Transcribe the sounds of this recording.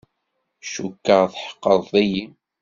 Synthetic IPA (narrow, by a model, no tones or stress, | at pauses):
ʃukːəʁθħə̥qːəðˤðæji